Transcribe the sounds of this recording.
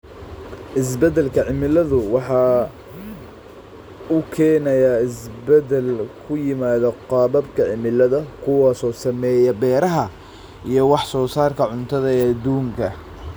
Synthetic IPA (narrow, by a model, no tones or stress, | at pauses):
ʔɪs̬bɛd̪ɛlkʰɐʕɪmɪlɐðʊwɑħɑː | ʊkʰɛːnɐjaːɪsbɛd̪ɛlkʰʊjɪmaːðɐqɑːβɐbkʰɐʕɪmɪlɐðɐkʰʊwɑːsɔːsɐmɛːjɐbɛːɾɐɦɐ | ʔijɞwɑħsɔːsaːrkʰɐʕʊnt̪ʰɐðɐɛːɐd̪uːŋkʰɐ